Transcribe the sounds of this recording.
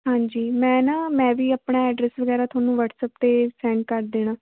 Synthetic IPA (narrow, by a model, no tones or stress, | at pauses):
ɦãːɲd͡ʒiːmɛ̃ːnaːmɛ̃ːʋiːəpɳaːɛːɖɾɛːsʋəɡɛːɾaːt̪ʰwaːnũːʋəʈsəp̚t̪eːsɛ̃ːɳɖ̚kəɾd̪eːnãː